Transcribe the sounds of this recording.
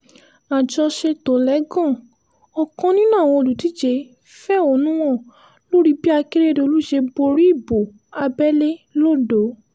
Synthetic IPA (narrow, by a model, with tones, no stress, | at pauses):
a˨d͡ʒɔ˧ʃe˧to˨lɛ˨˦ɡɔ̃˦˨ | ɔ˧kɔ̃˧nĩ˦nã˦˨w̃ɔ̃˧o˧lu˨ti˨˦d͡ʒe˧˦ | fɛ˦o˧˦nũ˦w̃ɔ̃˦˨ | lo˦ɾi˦bi˦a˧ke˦ɾe˦de˧o˧lu˦ʃe˧bo˧ɾi˦i˦˨bo˨ | a˧bɛ˦le˦lo˦˨do˨˦